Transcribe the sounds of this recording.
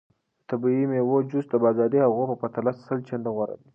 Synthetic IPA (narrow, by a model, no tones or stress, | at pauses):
t̪abiimewod͡ʒus̚d̪əbɑzɑd̪ihaɣopəpat̪alassəlt͡ʃand̪aɣwaɾa̰d̪i